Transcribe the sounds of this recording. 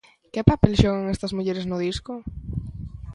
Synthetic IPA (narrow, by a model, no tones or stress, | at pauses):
kepapelʃoɣaŋest̪ɐzmuʎeɾesnʊðiskʊ